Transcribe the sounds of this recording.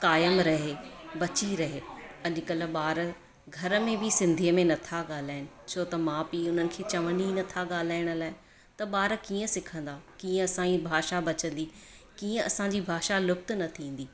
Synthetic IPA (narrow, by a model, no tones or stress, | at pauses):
kaːjəmɾɐɦebɐt͡ɕiɾɐɦeɐʄʊkɐləɓaːɾ | ɡʱɐɾəmẽbisɪ̃nd̪ʱiəmẽnɐt̪ʰaɠaːl̤aːɪnɪ̆t͡ɕʰoːt̪ɐmãːpiʊn̤ənɪ̆kʰeːt͡ɕɐʋəninɐt̪ʰaɠaːl̤aːɪɽ̃ʊ̆laːɪ | t̪ɐɓaːɾkiːə̃sɪkʰə̃n̆d̪akiːə̃ɐsãibʱaːʃabɐt͡ɕə̃n̆d̪ikiːə̃ɐsãɲd͡ʑibʱaːʃalʊkt̪nɐt̪ʰĩːn̆d̪iː